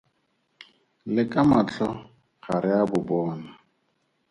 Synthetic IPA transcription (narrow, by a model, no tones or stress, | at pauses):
lɪkʼamat͡ɬɔ | χaɾɪabʊbɔːna